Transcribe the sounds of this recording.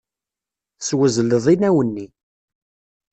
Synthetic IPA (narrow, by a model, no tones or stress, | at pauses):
θswəzləðˤinæwənːi